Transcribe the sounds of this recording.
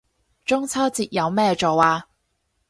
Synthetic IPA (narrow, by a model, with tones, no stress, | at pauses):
t͡ʃʊ˥ŋt͡sʰɐ˥wt͡siː˨t̚jɐ˨˧wmɛː˥t͡ʃo˨waː˧